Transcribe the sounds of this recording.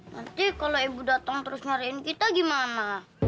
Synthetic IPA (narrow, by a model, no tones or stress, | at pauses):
nant̪ikaloebudat̪aŋt̪əɾʊsɲaɾiɪnkit̪aɡimana